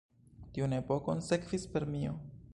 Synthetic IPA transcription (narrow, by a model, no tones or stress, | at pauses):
tiune̞po̞ko̞nse̞kvispe̞ɾmio